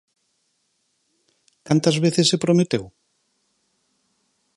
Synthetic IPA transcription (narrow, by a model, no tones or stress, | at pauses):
kant̪ɐzβeθesepɾomet̪ew